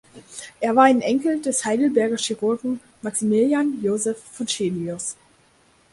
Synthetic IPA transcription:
ʔeːɐvaːɐaɪnʔɛŋkl̩d̥ɛshaɪdl̩bɛɐɡɐʃiʁʊɐɡŋ̩ | maksimiljanjoːzɛfːɔnʃeːniʊs

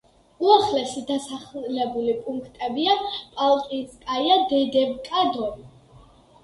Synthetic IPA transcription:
uaχlɛʃid̪asaχlɛbulipʼuŋkʰt̪ʼɛbiapʼalˠkʼinskʼajad̪ɛd̪ɛvkʼad̪ɔm

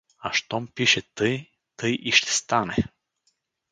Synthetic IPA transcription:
ɐʃt̪ɔmpiʃɛt̪ɤj | t̪ɤjʔiʃt̪ɛ̥st̪anɛ

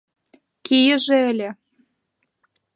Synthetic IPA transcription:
kijə̆ʒĕelʲĕ

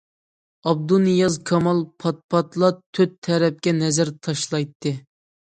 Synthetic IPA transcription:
ɑb̚d̪unɨjɑzkʰɑmɑlˠpʰɑt̪̚pʰɑt̪lˠɑt̪ʰːøt̪ʰːɛɾɛp̚kʲɛnɛzɪɾt̪ʰɑʃlˠɑjt̪ʰːɨ

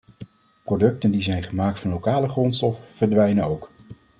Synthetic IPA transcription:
prodɵk̚təndizɛjnχəmaːk̚tfɑnlowkaːləχrɔntstɔfvəɹdʋɛjnənowk

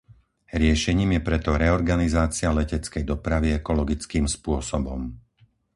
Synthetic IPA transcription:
ɾɪɛʃɛɲiːmjɛpɾɛt̪ɔɾɛɔɾɡanizaːt͡sialɛcɛt͡skɛjd̪ɔpɾaʋiɛkɔlɔɡit͡skiːmspʊɔsɔbɔm

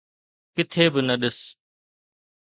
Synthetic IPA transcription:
kɪt̪ʰeːbɪnəɗɪs

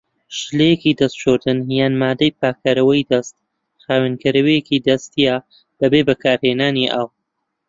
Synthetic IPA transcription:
ʃɨlejekid̪ɐst̪t͡ʃʰoɾd̪ɨnjaːnmaːd̪ɐjpaːkʰaɾɐwɐjd̪ɐst̪̚ | xaːwenkɐɾɐwejekid̪ɐst̪ija | b̥ɐbeːbɐkʰaːɾheːnaːniʔaːw

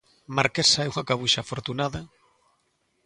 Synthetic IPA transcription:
maɾkesaeuŋakaβuʃaːfoɾt̪unaða

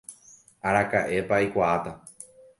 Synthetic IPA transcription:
aɾakaʔe̞paikʷaat̪a

